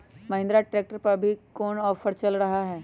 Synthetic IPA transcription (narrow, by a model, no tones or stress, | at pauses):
mɐɦɪ̃nd̪ɾaʈɾeːk̚ʈəɾpɐɾbʱikɔːnɔːfʰəɾt͡ʃɐlɾɐɦaɦɛː